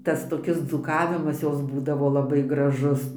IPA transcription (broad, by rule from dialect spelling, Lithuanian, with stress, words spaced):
ˈtɐs toːˈkʲɪs d͡zuːˈkɑːʋʲɪmɐs ˈjoːs ˈbuːdɐʋoː lˠɐˈbɐɪ ɡrɐˈʒʊs